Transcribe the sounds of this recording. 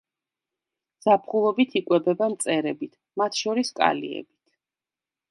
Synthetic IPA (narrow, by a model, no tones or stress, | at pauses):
z̥apʰχulˠɔbit̪ʰikʼwɛbɛbamt̪sʼɛɾɛbit̪ʰ | mat̪ʰʃɔɾiskʼa̰lḭɛ̰bit̪ʰ